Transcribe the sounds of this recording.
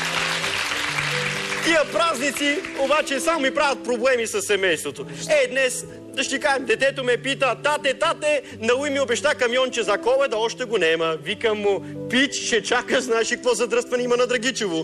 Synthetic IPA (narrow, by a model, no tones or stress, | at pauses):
t̪iɐpɾaznit̪siobat͡ʃɛsamomipɾavɐt̪̚pɾoblɛmisɐsːɛmɛjst̪vot̪oɛd̪nɛs | d̪ɐʃt̪ikaʒɛmd̪ɛt̪ɛt̪omɛpit̪ət̪at̪ɛt̪at̪ɛ | nɐuimiobɛʃt̪akɐmjɔnt͡ʃɛzɐkɔlˠɛd̪ɐɔʃt̪ɛɡonɛmɐvikɐmːopit͡ʃ̪ʃɛt͡ʃakəznaɛʃikɐkvɔzɐd̪ɾəst̪vɐnɛimɐnɐd̪ɾɐɡit͡ʃɛvo